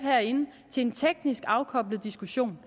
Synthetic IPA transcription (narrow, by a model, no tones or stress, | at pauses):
hæɐ̰e̝nə | t͡sʰe̝le̝nt͡sʰeɡ̥nisɡ̥ɑ̈ʊkʰɒ̽b̥ləð̩ˠd̥isɡ̥uɕo̝̰ːn